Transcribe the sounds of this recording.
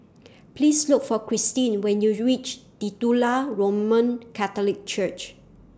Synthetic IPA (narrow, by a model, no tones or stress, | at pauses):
plisluk̚fɔkɹistĩnwɛ̃njuɹit͡ʃd̥itulaɹomə̃nkʰat̪ɔlik̚t͡ʃət͡ʃ